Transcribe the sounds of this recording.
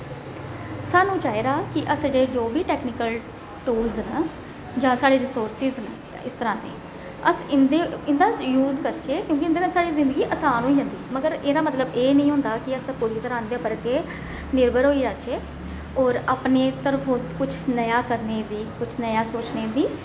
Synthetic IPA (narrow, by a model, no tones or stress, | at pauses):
saːnũːt͡ʃaːeːɾaːkɪʔəsd͡ʒeːd͡ʒoːbiːʈɛːknɪkəl | ʈuːlznə | d͡ʒãːsaːɽeːɾɪsoːɾsɪznə | ɪst̪əɾãːd̪ḛː | əsɪnd̪eːɪnd̪aːjuːzkəɾt͡ʃeːkjõːkɪnd̪eːnə̃saːɽiːzɪ̃nd̪əɡiːʔəsaːnɦoːiːd͡ʒãːnd̪iːməɡəɾeːɾaːmət̪ləbeːnəĩːɦʊ̃nd̪aːkɪəspʊɾiːt̪əɾãːnd̪eːpəɾkeː | nɪɾbəɾɦoːiːd͡ʒaːt͡ʃeː | ɔːɾaːpneːt̪əɾfʊt̪kʊt͡ʃʰnəjaːkəɾneːd̪iːkʊt͡ʃʰnəjaːsoːt͡ʃneːd̪iː